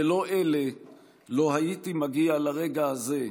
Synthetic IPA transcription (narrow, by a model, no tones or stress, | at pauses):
elo̞ʔe̞le̞ | lo̞ɦaitimaɡialaʁe̞ɡahaze̞